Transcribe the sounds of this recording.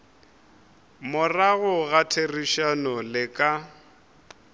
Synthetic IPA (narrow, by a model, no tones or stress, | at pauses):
mʊraɣʊɣatʰeriʃanɔlɪkʼa